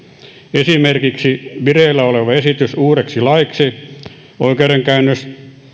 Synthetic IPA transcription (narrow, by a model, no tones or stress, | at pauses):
esimerkiksiʋireːlːæoleʋɑesit̪ysuːreksilɑiksi | o̰ikeːreŋkæynːøs